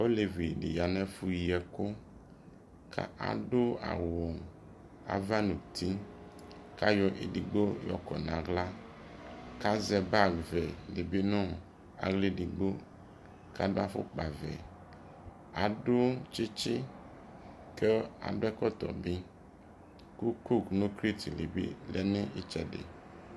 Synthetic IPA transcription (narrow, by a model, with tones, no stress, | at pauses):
o˦le˨vi˨ɖḭ˨ja˨nɛ̃˦fu˨ji˨ɛ˨ko˦ | kʰa̰˦ʔa̰˨ɖo˦a̰˨wo˨ŋ | a̰˨va˦nũ˨t̪ʰi˦ | ka˦jɔ˨ʔḛ˨ɖi˨ɡ͡bo˦jɔ̰˨kɔ̰˨nã˨ɡla˦ | ka˦zɛ˨ba˦ɡvɛ˨le˨be˦nɔ̃˦ | a̰˨ɡli˦di˨ɡ͡bo˦ | ka˦do˦a˦fo̰˦k͡pa˨vɛ̰˨ | a˨do˦t͡ʃi˦t͡ʃi˦ | ke˦a̰˨do˦ɛ˦kɔ˦t̪ɔ̰˨bi˦ | ku˦ku˦knõ˦kɾi˦t̪i˨le˨bḭ˦lɛ˦nẽ˦ʔi˦t͡ʃɛ˨dḛ˨